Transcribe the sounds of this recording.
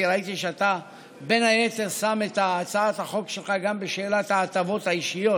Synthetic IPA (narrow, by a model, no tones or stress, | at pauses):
ʁait̪iʃeat̪a | be̞naje̞te̞ʁsame̞t̪aːt͡saat̪haχo̞kʃe̞lχaɡambeʃe̞ːlat̪haːt̪avo̞t̪haiʃijo̞